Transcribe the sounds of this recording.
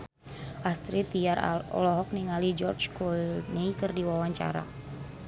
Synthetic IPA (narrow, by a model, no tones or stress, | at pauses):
ʔast̪ɾit̪iarɔ̰lɔɦɔk̚niŋalid͡ʒɔrt͡ʃkɔlnikɨrdiwawaɲt͡ʃa̰ɾa̰